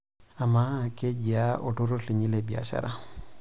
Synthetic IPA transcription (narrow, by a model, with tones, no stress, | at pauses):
a˨ma˦kʼe˦d͡ʒia˦ʔʊ˨tʊ˦ɾʊ˦ɬe˨ɲi˦lebi˨a̰ʃa̰ɾa˦